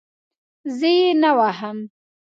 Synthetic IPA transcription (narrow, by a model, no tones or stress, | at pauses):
zəjenawaɦəm